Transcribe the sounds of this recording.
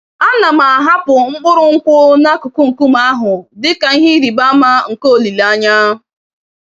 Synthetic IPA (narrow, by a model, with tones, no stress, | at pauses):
a˦na˨ma˨a˨ɦa˦pʊ˨ŋ͡m̩˦ɡ͡bʊ˦ɾʊ˦ŋ̩˦kʷʊ˦na˦kʊ˨ku˦ŋ̩˨ku˦ma˦a˦ɦʊ˨dɪ˦ka˨˦ɦi˦ɾi˨ba˦ma˦ŋ̩˨ko˦o˨li˨la˦ɲa˦˨